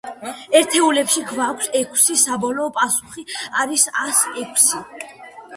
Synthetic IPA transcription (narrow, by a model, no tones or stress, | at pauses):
ɛɾt̪ʰɛulɛpʃiɡʰvakʷʰsɛkʰsisabɔlɔːpʼasuχiaɾisasɛkʷʰsi